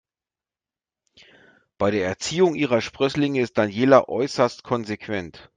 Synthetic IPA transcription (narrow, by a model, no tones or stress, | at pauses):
b̥aɪɾeːɐɛɐt͡siːʊŋʔiːʁɐʃpʁ̥ʏslɪŋəɪst̚d̥anjeːlɐʔɔʏsɐstkʰɔnzekv̥ɛnt